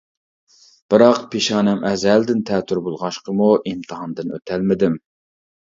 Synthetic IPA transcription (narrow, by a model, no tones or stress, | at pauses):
b̥ɨɾɑqpʰeʃɑːnɛmʔɛzæld̪ɪnt̪ʰɛːt̪ʰyɾbolˠʁɑʃqəmuimt̪ʰɨɦɑnd̪ɨnø̰t̪ʰælmɪd̪ɪm